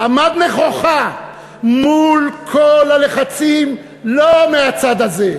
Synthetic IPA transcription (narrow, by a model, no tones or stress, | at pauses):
ʔamad̪neχo̞χa | mulkʰolale̞χat͡sim | lomeat͡sad̪aze̞